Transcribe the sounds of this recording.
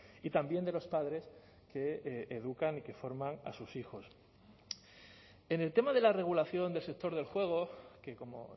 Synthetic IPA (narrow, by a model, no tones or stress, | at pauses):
it̪ambje̞nd̪e̞lo̞spaðɾe̞s | ke̞eðukanike̞fo̞ɾmaŋa̰susixo̞s | e̞ne̞lt̪e̞maðe̞lare̞ɣ̞ulaθjo̞nd̪e̞lse̞k̚t̪o̞ɾðe̞lxwe̞ɣ̞o̞ke̞ko̞mo̞̰